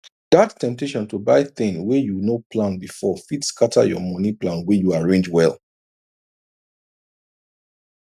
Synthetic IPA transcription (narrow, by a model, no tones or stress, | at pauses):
datʰːɛ̃mp̚teʃɔ̃ntubaɪθɪ̃ŋwɛjunopʰlãnbifɔfidskʰatʰə̰jɔ̰mɔniplãnwɛjuaɹẽnd͡ʒwɛlˠ